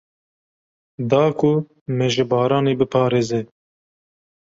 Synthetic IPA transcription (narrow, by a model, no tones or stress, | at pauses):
d̪ɑːkʰʊ | mɛʒɪbɑːɾɑːneːbɨpʰɑːɾeːzɛ